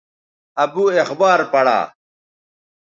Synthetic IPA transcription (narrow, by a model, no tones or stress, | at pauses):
ɐbuːexbaːɾpɐɽa̰ː